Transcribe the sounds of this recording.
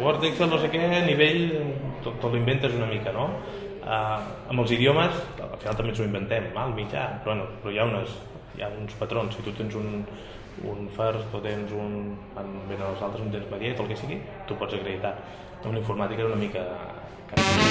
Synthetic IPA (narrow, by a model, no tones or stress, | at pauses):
wɔɾt̪ekselˠnos̬ekɛniβeʎt̪ot̪əlimbent̪əzunəmikəno | ə | əmbəlˠziðijoməsə̰lˠfinalˠt̪əmbenzuimbənt̪ɛmːalˠmiʒa̰pɾɔβɛnupɾɔjaunəs | ja̰unspət̪ɾonsːit̪ut̪enzun | ṵnfəɾst̪ot̪enzunbanbenəəzalˠt̪ɾəzunt̪emzməðiɛt̪olˠkɛsiɣi | t̪upɔzəkɾəðit̪a | liɱfuɾmat̪ikezunəmikə | ka